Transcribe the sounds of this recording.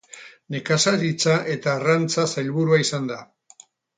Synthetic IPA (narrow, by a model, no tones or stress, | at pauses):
ne̞kasaðit͡saʔe̞t̪aːrant͡sasajlβuɾuaisand̪a